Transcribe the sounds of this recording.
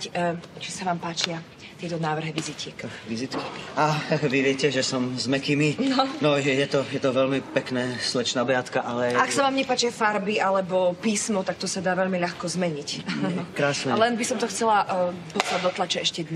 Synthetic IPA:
t͡ʃisaʋaːmpaːt͡ʃɪa | t̪ɪɛt̪ɔnaːʋr̩ɦiʋizicɛkʋizit̪ki̥aʋiʋɪɛcɛʒɛsɔmzmɛkiminnɔnɔjɛjɛt̪ɔjɛt̪ɔʋɛlmipɛknɛːslɛt͡ʃnabɾɪat̪kaʔalɛaksaʋaːmɲɛpaːt͡ʃɪafaɾbialɛbɔpiːsmɔt̪ak̚t̪ɔsad̪aːʋɛʎmiʎaxkɔzmɛɲicnɔkɾaːsnɛlɛnbisɔmt̪ɔxt͡sɛlaʔd̪ɔsad̪ɔt̪lat͡ʃɛɛʃcɛd̪ɲ

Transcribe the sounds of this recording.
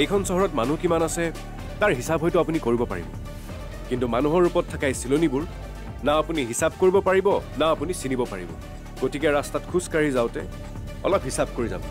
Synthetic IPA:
ejkʰɔnsɔɦɔɹɔtmanukimanasɛ | taɹɦisabɦɔjtʊapunikoɹibɔpa̰ɹḭbɔ̰ | kintumanuɦɔɹupɔtʰːakajsilonibʊɹ | naapuniɦisab̚koɹibɔpaɹibɔnaːpunisinibɔpa̰ɹḭbɔ̰ | ɡotikɛɹastatkʰuskaɹizaʊtɛ̰ | ɔ̰lɔp̚ɦisab̚koɹiza̰bɔ̰

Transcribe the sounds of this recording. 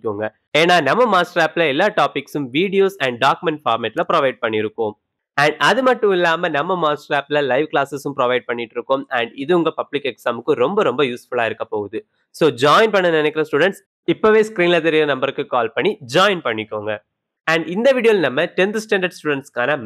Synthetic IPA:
kːuŋɡɐ | eːnaːnɐmːɐmaːsʈɐɾaːplɐɪlːaːʈaːpɪksɯmʋiːɽɪjoːsɐɳɖɖaːkɯmɛɳʈfaːɾmɛʈlɐpɪɾɐʋɐɪɖ̚pɐɳːɪɾɯkːoːm | ɐɳɖɐðɯmɐʈːɯ̃ɪlːaːmɐnɐmːɐmaːsʈɐɾaːplɐlɐɪʋklaːsɐsɯ̃mpɾɐʋɐɪɖ̚pɐɳːɪʈːɪɾɯkːomɐɳɖɪðɯʊŋɡɐpɐblɪkːɛksaːmɯkːɯ̃ɾɔmbɐɾɔmbɐjuːsfʊɭaːɪɾɯkːɐpːoːɣɐðɯ | soːd͡ʒaːjɪnpɐɳːɐnɪnɛkːɪɾɐsʈuːɽɛɳʈs | ɪpːoʋeːskɾiːnlɐðɐɾɪlɐnɐmbɐɾɯkːɯkaːlpɐɳːid͡ʒaːɪnpɐɳːɪkːoːŋɡɐ | ɐɳɖɪnd̪ɐʋiːɽɪjoːlnɐmːɐtɛnd̪ɯsʈɛːɳɖɐɾɖsʈuːɽɛɳʈskaːnɐ

